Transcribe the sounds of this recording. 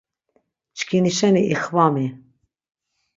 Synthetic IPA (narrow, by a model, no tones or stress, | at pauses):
t͡ʃkʰiniʃɛniʔixvɑme